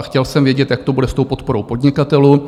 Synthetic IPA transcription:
xcɛlsɛmvjɛɟɛt̪jakt̪obudɛst̪o̞wpo̞t̪̚po̞ɾo̞wpo̞dɲɪkat̪ɛluː

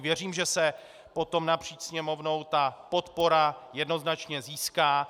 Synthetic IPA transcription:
vjɛr̝iːmʒɛsɛ | po̞t̪o̞mnapr̝̥iːt͡ʃsɲɛmo̞vno̞wt̪apo̞t̪po̞ɾajɛdno̞znat͡ʃɲɛziːskaː

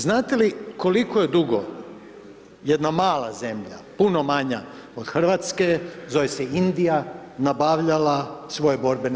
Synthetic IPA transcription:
znaːt̪e̞liko̞liko̞je̞d̪uɡo̰ | jed̪namaːla̰ze̞mʎa̰puno̞maɲa | od̪xr̩ʋat̪ske̞zojeseind̪ijanabaʋʎalasʋo̞jebo̞ɾben

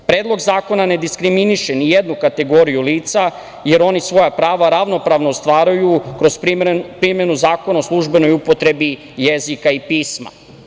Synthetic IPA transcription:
pɾeːd̪lˠo̞ɡzaːko̞nane̞d̪iskɾiminiʃenijed̪nukat̪e̞ɡo̞ɾijuliːt̪sa | je̞ɾo̞nisʋo̞japɾaːʋaɾaʋno̞pɾaʋnoːst̪ʋaːɾujukɾo̞zpɾimje̞nuzaːko̞naoslˠuʒbe̞no̞jupo̞t̪ɾe̞bi | jezikaipiːsma̰

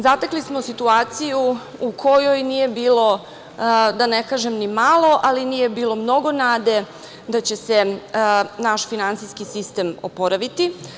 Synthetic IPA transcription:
zat̪aklismo̞sit̪uaːt̪sijuukʰo̞jo̞jniːje̞biːlo̞ | d̪anekaːʒemnimalˠo̞ʔalinije̞biːlˠo̞mno̞ɡo̞naːd̪e̞ | d̪at͡ɕe̞se̞ | naʃfinant̪sijskisist̪e̞mo̰po̞ɾaʋit̪i

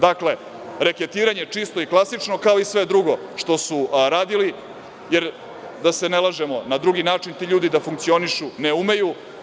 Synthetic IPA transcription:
d̪akle̞ | ɾeke̞t̪iːɾaɲet͡ʂist̪o̞iklˠasit͡ʂno̞kaoisʋe̞d̪ɾuɡo̞ʂt̪o̞suɾaːd̪ili | jeɾ | d̪ase̞nelaʒemonad̪ɾuɡinaːt͡ʂint̪iːʎuːd̪id̪afuŋkt̪sio̞niʃuneume̞ju

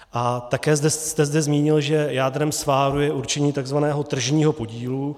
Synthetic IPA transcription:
ʔat̪akɛːzd̪ɛst̪ɛzdɛzmiːɲɪlʒɛjaːd̪ɾɛmsvaːɾujɛʔuɾt͡ʃɛɲiːt̪aɡzvanɛːɦo̞t̪r̩ʒɲiːɦo̞po̞ɟiːlu

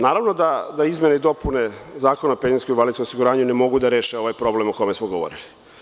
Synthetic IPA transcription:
naːɾaʋnod̪ad̪aizmeneid̪o̞punezaːkonapeninskomiʋalid̪skomosiɡuɾaːɲunemo̞ɡud̪aɾeːʃeo̞ʋajpɾo̞blemoko̞me̞smoɡoʋo̰ɾili

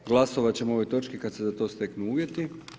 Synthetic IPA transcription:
ɡlˠaso̞ʋat͡ɕe̞moo̞ʋo̞jt̪o̞t͡ʃkikad̪sezat̪o̞ːst̪e̞knuuːʋje̞t̪i

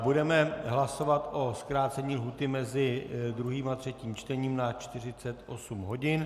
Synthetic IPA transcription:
budɛmɛɦlaso̞vat̪ʔo̞skɾaːtt͡sɛɲiːlɦuːt̪ɪmɛzɪd̪ɾuɦiːmat̪r̥ɛciːmt͡ʃt̪ɛɲiːmnat͡ʃt̪ɪr̝ɪt͡sɛt̪ʔo̞sumɦo̞ɟɪn

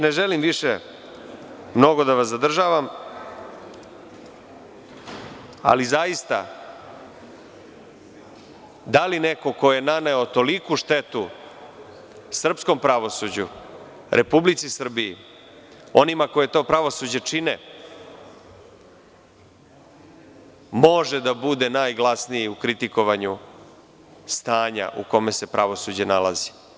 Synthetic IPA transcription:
neʒelimʋiʃe | mno̞ɡo̞d̪aʋasad̪r̩ʒaːʋam | a̰lizajist̪a̰ | d̪alineko̞ko̞jenaneot̪o̞likuʃt̪et̪u | sr̩psko̞mpɾaʋo̞sud͡ʑṵ | ɾʔepublit̪sisr̩biḭ | o̞nimako̞je̞t̪o̞ːpɾaʋo̞sud͡ʑet͡ʂinḛ | mo̞ʒed̪abud̪e̞naːjɡlˠasnijiukɾit̪iko̞ʋaɲu | st̪aːɲa̰ʔṵko̞me̞se̞pɾaʋo̞sud͡ʑenala̰zi̥

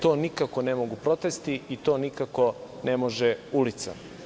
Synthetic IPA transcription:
t̪o̞ːnikako̞nemoɡupɾo̞t̪est̪iit̪o̞ːnikako̞nemo̞ʒeulit̪sa̰

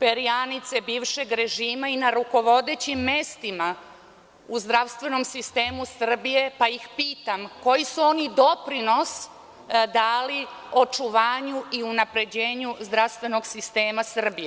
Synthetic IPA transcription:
peɾijanit̪se̞biːʋʃe̞ɡɾe̞ʒiːmainaɾuko̞ʋo̞d̪et͡ɕimːest̪ima | uzd̪ɾaʋst̪ʋe̞no̞msist̪e̞ːmusr̩bije̞pajixpiːt̪amko̞jisuo̞nid̪o̞pɾino̞s | d̪aːlio̞t͡ʃuʋaːɲuiunapɾe̞d͡ʑeːɲuzd̪ɾaʋst̪ʋe̞no̞ɡsist̪e̞ːmasr̩bije

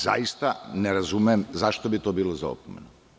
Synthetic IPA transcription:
za̰jist̪aneɾazumeemzaʃt̪o̞bit̪o̞biːlˠozao̰pomḛno

